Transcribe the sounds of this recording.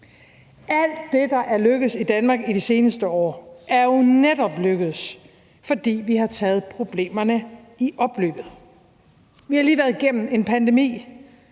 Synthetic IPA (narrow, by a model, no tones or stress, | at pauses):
ʔæl̰d̥ːe̝d̥ɑ̈ʔæɐløɡ̥əð̩ˠsid̥ænmɑ̈ːɡ̥idise̝ːnəsd̥əɒ̰ːæɐjonedɒ̽b̥løɡ̥əðˠs | fɒ̽d̥ḭːʋihɑ̈t͡sʰɛ̰ːð̞̩ˠpʰʁo̝b̥le̝̰ːmɐnə | iʔɒ̽b̥lø̰ːb̥ð̞̩ˠ | ʋihɑ̈liːʋæɐðˠɡ̥en̰m̩e̝npʰænd̥e̝mḭː